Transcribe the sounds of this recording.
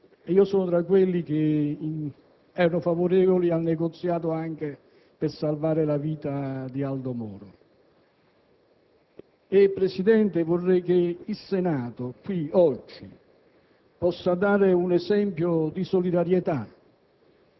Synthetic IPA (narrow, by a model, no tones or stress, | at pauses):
iːosoːnʊt̪ɾakːwelːik̟e | ɛːɾanʊfavoɾɛːvolialneɡot̪sːjaːt̪ʊaŋk̟e | pɪɾsalvaːɾɪlaviːt̪ad̪iald̪omɔ̰ːɾʊ̰ | epːɾesid̪ɛnt̪ɪvorːɛjk̟eilsenaːt̪ʊkwiɔd͡ʒːḭ | pɔsːad̪aːɾɪunɛzɛmpjod̪isolid̪aɾjet̪a